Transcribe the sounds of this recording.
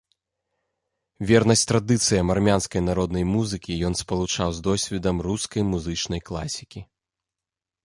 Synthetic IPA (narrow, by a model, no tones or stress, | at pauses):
vʲɛrnɐsʲtʲt̪ɾad̪ɨt̪sɨjɐmarmʲanskɐjnaɾɔd̪nɐjmuzɨkʲijɔnspɐlˠut͡ʂawzd̪ɔsʲvʲɛd̪ɐmruskɐjmuzɨt͡ʂnɐjklˠa̰sʲikʲi